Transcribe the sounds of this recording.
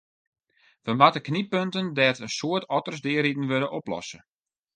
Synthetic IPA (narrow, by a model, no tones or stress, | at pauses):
fɔnʋatəknipøntəndɛtənsoətʰɔtərsdɪːəɾidn̩ʋøɾəʔɔplɔ̰sə